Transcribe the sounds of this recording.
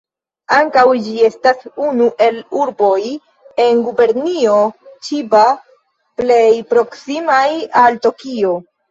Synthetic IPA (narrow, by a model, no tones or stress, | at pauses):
aŋkawd͡ʒie̞stasunuʔe̞luɾbo̞j | e̞nɡube̞ɾnio̞t͡ʃiba | ple̞jpɾo̞ksimajalto̞kio̞